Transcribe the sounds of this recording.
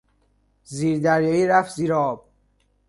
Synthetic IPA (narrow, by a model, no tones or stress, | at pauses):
ziːɾd̪æɾjɒːiːɾæfziːɾɒːb̚